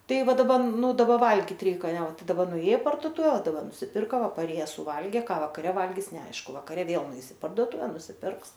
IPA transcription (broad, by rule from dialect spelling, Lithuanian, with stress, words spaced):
ˈtɐɪ ˈʋɐ dɐˈbɐ ˈnʊ dɐˈbɐ ˈʋɐlʲɡʲɪt ˈrʲɛɪk ɐnʲˈɛ ˈtɐɪ dɐˈbɐ nʊˈeːj ɪ pɐrduɔˈtʊʋʲɛ dɐˈbɐr nʊsʲɪˈpʲɪrkɐ ˈʋɐ pɐˈrʲeːjɛs sʊˈʋɐlʲɡʲeː ˈkɑː ʋɐkɐˈrʲɛ ˈʋɐlʲɡʲɪs nʲɛˈɐɪʃkʊ ʋɐkɐˈrʲɛ ˈʋʲeːlˠ nʊˈɛɪs ɪ pɐrduɔˈtʊʋʲɛ nʊsʲɪˈpʲɪrks